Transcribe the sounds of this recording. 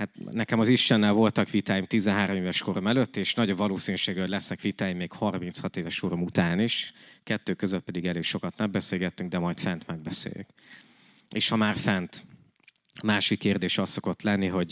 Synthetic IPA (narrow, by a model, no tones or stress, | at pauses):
hat̪nɛkɛmɒziʃt̪ɛnːɛlvo̞lt̪ɒkʋit̪aːjimt̪izɛnɦaːɾomeːvɛʃko̞ɾomɛløt̪ːeːʃnɒɟovɒloːsinyʃeːɡɛolɛsnɛkʋit̪aːjimːeːkhɒrmint̪shɒt̪eːvɛʃoːɾomut̪aːniʃkɛt̪ːøːkøzøt̪̚pɛd̪iɡɛleːkʃo̞kɒt̪nɛmbɛseːlɡɛt̪ːyŋɡd̪ɛmɒjt̪fɛnt̪mɛɡ̚bɛsḛːjy̰k | eːʃhɒmaːrfɛnt̪ | maːʃikkːeːrd̪eːʃɒsːo̞ko̞t̪lɛnːiɦo̞ɟ